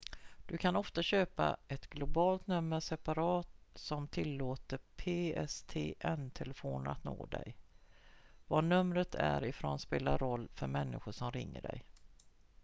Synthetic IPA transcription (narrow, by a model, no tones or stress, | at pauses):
d̪̥ɵkʰanɔft̪aɕøːpa̰ɛt̪ɡlʊbɑːlt̪nɵmːəʂɛpaɾɑːt̪sɔmt̪ʰɪlːoːt̪əɾpʰeːɛst̪ʰeːʔɛnt̪ʰɛlɛfoːna̰t̪no̰ːd̪ɛ̰j | vanɵmɾət̪ʰæɾɪfɾoːnspeːlaɾɾɔlːfœɾmɛnːɪɧʊʂɔmɾɪŋːə̰ɖɛ̰j